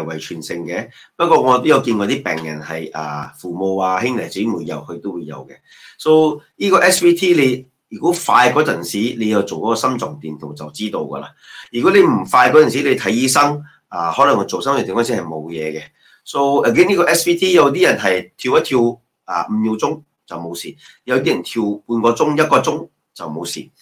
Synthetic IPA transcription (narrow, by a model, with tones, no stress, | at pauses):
wɐ˨˩jt͡ʃʰyː˨˩nsɪ˧ŋkɛ˧pɐ˥t̚kɔː˧ŋɔː˨˧t̪o˥wjɐ˧wkiː˧nkɔː˧t̪iː˥pɛ̰ː˨˩ŋjɐ̰˨˩nhɐ˨jʔɐ̰ː˨fuː˨mo˨˧waː˧hɪ˥ŋlɐ˨jt͡siː˨˥muː˨˧jːɐ̰˨˩whɵ˧ɥt̪o˥wuː˨˧jɐ̰˨˧wkɛ˧ | so˧wniː˥kɔː˧ʔɛ˥spiː˥t̪ʰiː˥le˨˧j | jyː˨˩ku˨˥faː˧jkɔː˨˥t͡sɐ˨nsiː˨˥le˨˧jɐ˨˧wt͡so˨wkɔ˨˦˥kɔː˧sɐ˥mt͡sɔ˨˩ŋt̪iː˨nt̪ʰo˨˩wt͡sɐ˨˩wt͡siː˥t̪o˧wkɐ̰˧la̰˧jyː˨˩ku˨˥le˨˧jm̩˨˩faː˧jkɔ˨˥t͡sɐ˨ns̬i˨˥le˨˧jt̪ʰɐ˨˥jjiː˧˥sɐ˥ŋ | aː˨˧hɔː˨˥lɐ˨˩ŋkɔ˨˧t͡ʃo˨wsɐ˥mt͡sɔ˨˩t̪ʰːkɔː˥nsi˨˥hɐ˨jmo˨˧wjɛ̰ː˨˧kɛ˧ | so˧˥wə˨ɡɛː˥niː˥kɔ˧ʔɛ˦˥spiː˥t̪ʰiː˥jɐ˨˧wt̪̬iː˥jɐ˨˩nɦɐ˨jt̪ʰiː˧wjɐ˥t̪ʰiː˧w | a̰˨m̩˨˩ji˨˧wt͡sʊ˥ŋ | t͡sɐ˨wmo˨˧wsḭː˨˩ | jɐ˨˧wt̪̬iː˥jɐ˨˩nt̪ʰi˧wpuː˧nkɔː˧t͡sʊ˥ŋjɐ˥t̚kɔː˧t͡sʊ˥ŋ | t͡sɐ˨wmo˨˧wsḭː˨˩